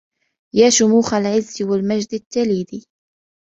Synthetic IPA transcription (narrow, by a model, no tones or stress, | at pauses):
jaːʃʊmuːxalʕɪzːwalmad͡ʒd̪ɪt̪ːaliːd̪i